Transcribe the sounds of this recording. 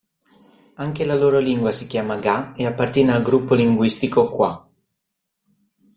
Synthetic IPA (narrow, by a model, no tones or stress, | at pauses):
aŋkelaloːɾoliŋɡwasikjaːmaɡaeapːart̪jɛːnealɡɾupːoliŋɡwist̪ikokwa̰